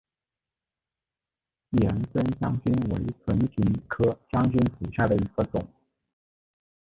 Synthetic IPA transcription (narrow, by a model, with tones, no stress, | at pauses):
ɛ˨˧˥nsə˥nɕjɑ˥ŋt͡ɕy˥nwḛ˧˥ɪt͡sʰwə˧˥npʰi˧˥nkʰɤ˥ɕjɑ˥ŋt͡ɕy˥nt͡su˨˩ɕja˥˩d̪ə˩i˧˥ɡə˧t͡sʊ̰˨˩˦ŋ